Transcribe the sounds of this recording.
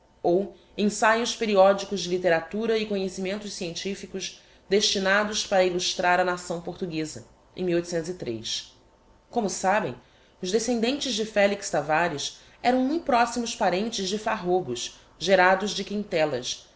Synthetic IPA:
ow | ẽsajʊspeɾiɔd͡ʒikʊzd͡ʒɪlit̪eɾat̪uɾɐɪkõɲesimẽnt̪ʊssiẽnt͡ʃifikʊʃ | d̪eʃt͡ʃinad̪ʊspaɾɐiluʃt̪ɾaɾɐnasɐ̃w̃poχt̪uɡezɐ̰ | ḛ̃miwojt̪u̥sẽnt̪ʊzit̪ɾḛjs | kõmʊsabḛ̃j̃ | ʊzd̪esẽnd̪ẽnt͡ʃɪzd͡ʒɪfɛlikst̪avaɾis | ɛɾɐ̃w̃mũj̃pɾɔsimʊspaɾẽnt͡ʃɪzd͡ʒɪfaɦobʊʃ | ʒeɾad̪ʊzd͡ʒɪkĩnt̪ɛlɐ̰s

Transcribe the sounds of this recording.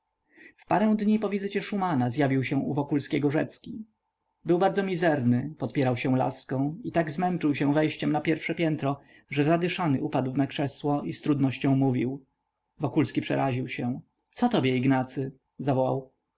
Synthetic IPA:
fpaɾɛw̃d̪ɲipɔvʲizɘt͡ɕɛʂumanazjavʲiwɕɛ̃uvɔkulskʲɛɡɔʐɛt̪skʲi | bɘwbaɾd̪zɔmʲizɛɾnɘpɔt̪pʲjɛɾawɕɛ̃la̰skɔ̃w̃it̪aɡzmɛnt͡ʂɘwɕɛw̃vɛjɕt͡ɕɛmnapʲjɛɾfʂɛpʲjɛnt̪ɾɔ | ʐɛzad̪ɘʂanɘʔupad̪wnakʂɛswɔist̪ɾud̪nɔɕt͡ɕɔ̃w̃muvʲiw | vɔkulskʲipʂɛ̰ɾaʑiwɕɛ̃ | t̪sɔt̪ɔbʲjɛiɡnat̪sɘ | zavɔwaw

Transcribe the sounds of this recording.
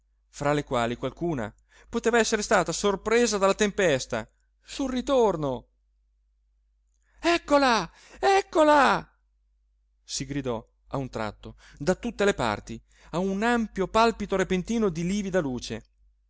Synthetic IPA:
fɾalekwaːlikwalkuːna̰ | pot̪eːvaɛsːeɾest̪aːt̪asorpɾeːzad̪alːat̪empɛst̪a̰ | sulrit̪orno | ɛkːola | ɛkːola | siɡɾid̪ɔ | aunt̪ɾa̰t̪ːo | d̪at̪ut̪ːelepa̰rt̪i | aunampjopalpit̪oɾepent̪iːnod̪iliːvid̪aluːt͡ʃe

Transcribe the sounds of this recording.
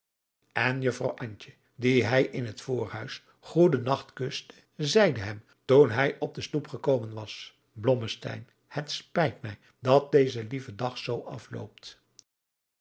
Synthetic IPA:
ɛnjɵfrɑ̰wʔɑɲt͡ʃə | diɦɛjʔɪnɦətfoːrœ̰ɥs | χudənɑχtkɵstə̥ | zɛjdəɦɛm | tunɦɛjʔɔb̚dəstupχəkowmənʋɑs | blɔməstɛ̰jn | hətspɛjtmɛj | dɑt̚dejzəlivədɑχsowʔɑflo̰wp̚t

